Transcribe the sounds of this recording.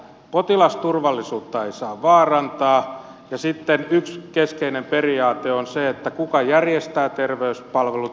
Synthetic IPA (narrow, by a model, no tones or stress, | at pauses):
pot̪ilɑst̪urʋɑlːisuːt̪ːɑeisɑːʋʋɑːrɑnt̪ɑː | jɑsit̪ːenykskeskeinemperiɑːt̪eonseet̪ːækukɑjærjest̪æːt̪erʋeyspɑlʋelu